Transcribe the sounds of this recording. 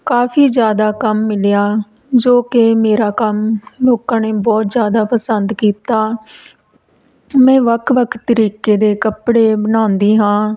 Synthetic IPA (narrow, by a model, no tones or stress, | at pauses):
kaːpʰiːzjaːd̪aːkəmːɪljaː | d͡ʒoːkemeːɾaːkəmloːkãːneːbɔːt̪zjaːd̪aːpəsənd̪kiːt̪aː | mɛ̃ːʋəkʰʋəkʰt̪ːəɾiːkeːd̪eːkəpɽeːbənãːnd̪iːɦãː